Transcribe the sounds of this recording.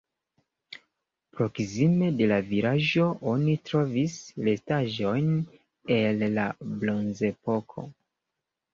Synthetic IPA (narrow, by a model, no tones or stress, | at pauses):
pɾo̞ksime̞de̞laviɾaʒo̞ʔo̞nitɾo̞visle̞staʒo̞jn | e̞lːablo̞nze̞po̞kʰo̞̰